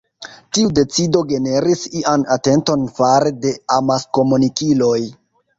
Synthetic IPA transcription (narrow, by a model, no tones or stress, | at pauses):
tiude̞t͡sido̞ɡe̞ne̞ɾisiʔanate̞nto̞nfaɾede̞amasko̞munikilo̞j